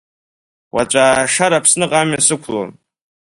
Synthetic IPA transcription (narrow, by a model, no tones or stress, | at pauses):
wʔa̰t͡ʃʷʼaːʂaɾapʰsnɨqʼamjasɨkʷʰlo̰n